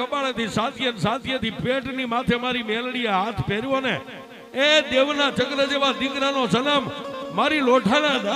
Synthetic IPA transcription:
əpaɭet̪ʰisat̪ijənsat̪ʰjet̪ʰipeʈnimat̪ʰemaɾimɛlɽieɦat̪ʰpɛɾjone | ed̪eʋnat͡ʃəkɾəd͡ʒeʋad̪ɪkɾanosənammaɾiloʈʰanad̪a

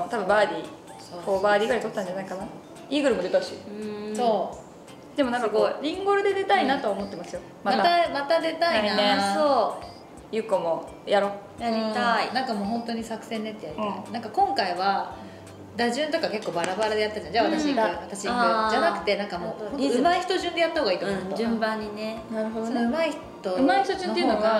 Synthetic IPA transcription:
ot̪abɯ̟mbaːɾʲi | okoːbaːɾʲiːɡɯaɾit̪ot̪ːãɲd͡ʑanaikana | iːɡɯ̟ɾɯ̟mod̪et̪aɯɕiso̞ː | d̪e̞monãŋkakoːɾʲĩŋɡoɾɯ̟d̪e̞d̪e̞t̪ainat̪o̞aomot̪ːe̞masɨjo | mamaaamat̪ad̪e̞t̪ainaesoː | jɯ̟komo̞ | jaɾo | jaɾĩainãŋkamo̞ːɦõ̞nt̪o̞ɲ̟isakɯ̟̥sẽ̞nːet̪ːejaɾienãŋkakõ̞ŋkaiβa | d̪aʑɨ̃nt̪o̞kake̞kːo̞ːbaɾabaɾad̪e̞jat̪ːad͡ʑãnd͡ʑaβat̪aɕiɲikat̪aɕied͡ʑanakɯ̟̥t̪e̞nãŋkamo̞ːonoɯ̟maiçi̥t̪o̞ʑɨ̃nd̪e̞jat̪ːaho̞ːɡait̪omɨ̃mbãɲ̟ːinenaɾɯ̟ɦod̪onoɯ̟maiç̥t̪oɯmaiçi̥t̪oʑɨ̃t̪eɯnoɡa

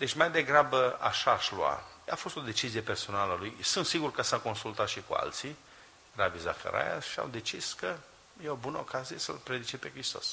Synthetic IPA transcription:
d̪e̞t͡ʃʲmajd̪e̞ɡɾabəa̰ʃaːʃlua̰ | a̰fo̞st̪o̞d̪e̞t͡ʃizijepe̞rso̞naləlujsunt̪siɡurkəsako̞nsult̪at̪ʃikua̰lt̪si | raviza̰fḛɾʔa̰ja̰ʃia̰wd̪e̞t͡ʃiskə | jeo̞bunəokazije̞sə̰lpɾe̞d̪it͡ʃepe̞kɾist̪o̞s

